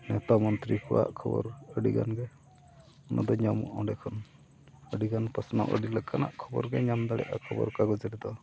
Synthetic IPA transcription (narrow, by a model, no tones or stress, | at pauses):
nɛt̪amɔnt̪ɾikɔwa̰ʔkʰɔbɔ̰ɾəɖiɡa̰nɡɛ | ɔnʔa̰d̪ɔɲamṵʔɔɖɛkʰɔn | əɖiɡanpəsna̰ʔəɖiləkːana̰ʔkʰɔbɔɾɡɛɲamd̪aɽɛ̰ʔakʰɔbɔ̰ɾkaɡɔd͡ʒəɾɛd̪ɔ